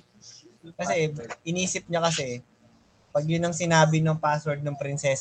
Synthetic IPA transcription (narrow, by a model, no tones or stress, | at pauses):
kɐsɛʔɪniːsɪp̚ɲɐkɐsɛ | pɐɡjʊnɐŋsɪnaːbɪnoŋpaːswɛɹd̪̚nɐŋpɾɪnsɛːs